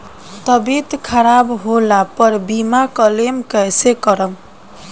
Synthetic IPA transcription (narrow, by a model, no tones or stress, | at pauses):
t̪əbit̪kʰəɾabɦolapəɾbimakəlemkəjsekəɾəm